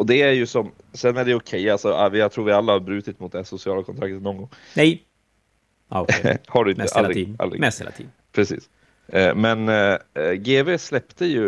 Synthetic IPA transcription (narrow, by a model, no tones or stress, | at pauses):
ɔd̪ɛæɾjɵsɔm | sɛnːæɖɛjɔkʰɛjːalsɔavɪjɑt̪ʰɾuːɾvɪalːahaɾbɾʉ̟ːt̪ɪt̪mʊt̪̚d̪ɛsʊsɪɑːlakʰɔnt̪ʰɾakt̪ət̪nɔŋɡɔŋːnɛj | haɖɵɪnəʔalːa̰ld̪ɾɪ̰ɛ̰ḭ | pʰɾɛsḭːs | mɛn | ɡeːveːslɛpt̪əjɵ